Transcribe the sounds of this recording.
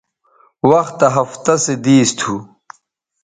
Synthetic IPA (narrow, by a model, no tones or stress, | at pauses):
wɐxt̪ːɐɦɐft̪ɐsed̪iːst̪ʰu